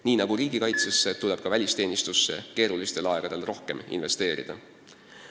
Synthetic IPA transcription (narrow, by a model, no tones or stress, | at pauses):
niːnɑɡ̥uɾiːɡ̥ikɑjt̪sesːe̞t̪uleb̥̚kɑvælʲist̪e̞ːnist̪usːe̞̰ke̞ːɾulist̪e̞lɑe̞ɡ̥ɑd̪̥e̞lro̞hke̞mḭnve̞st̪e̞ːɾḭd̪̥ɑ̰